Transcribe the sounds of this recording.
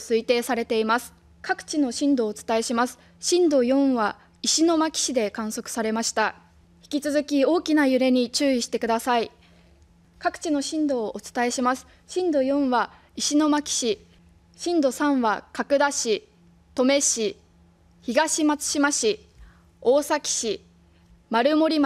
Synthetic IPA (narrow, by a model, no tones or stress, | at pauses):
sɨit̪e̞ːsaɾe̞t̪e̞imasɨ̥ | kʰakɯ̟̥t͡ɕino̞ɕĩnd̪o̞ːt͡sɨ̥t̪ae̞ɕimasɨ̥ | ɕĩnd̪o̞jõ̞ɰ̃βa | iɕino̞makʲi̥ɕid̪e̞kãɰ̃so̞kɯ̥saɾe̞maɕi̥t̪a | çi̥kʲit͡sɨzɨkʲio̞ːkʲinajɯ̟ɾe̞ɲ̟it͡ɕɨːiɕi̥t̪e̞kɯ̟d̪asai | kakɯ̟̥t͡ɕino̞ɕĩnd̪o̞ːʔːt͡sɨ̥t̪ae̞ɕimasɨ̥ | ɕĩnd̪o̞jõ̞ɰ̃βa | iɕino̞makʲi̥ɕi | ɕĩnd̪o̞sãɰ̃βakakɯ̟d̪aɕi | t̪o̞me̞ɕi | çiɡaɕimat͡sɨ̥ɕimaɕi | o̞ːsakʲi̥ɕi | maɾɯ̟mo̞ɾʲim